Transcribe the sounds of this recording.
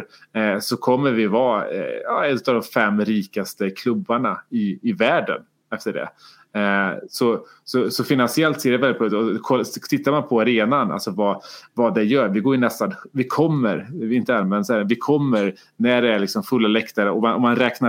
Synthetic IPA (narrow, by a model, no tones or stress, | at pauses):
sɔkʰɔmːəɾvɪvɑ̰ːjɑ̰ːɛnːɵ̟t̪ːavd̪ɔmfɛmːɾiːkast̪əkʰlɵbːaɳaɪːvæːɖə̰n | ɛft̪əɖɛ̰ | sɔ | sɔsɔfɪnansɪɛlt̪seːɾɛvɛlɪt̪̚pʰɔɔkʰɔt̪ʰɪt̪ːaɾmanpʰɔaɾeːnana̰lt̪sɔvɑvad̪ɛjœːɾvɪɡoːɾɪnɛst̪anvɪkʰɔmːəɾɪɪnt̪əanmɛnd̪əsɛvɪkʰɔmːəɾ | næɖɛæɭɪksɔmfɵlːalɛkt̪aɾəɔmanʔɔmːanɾɛːkna